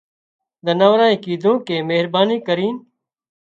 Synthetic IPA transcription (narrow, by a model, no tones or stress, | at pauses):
d̪ənaːʋɾaːĩːkiːd̪ʱõːkeːmeːɦɾbaːniːkəɾiːn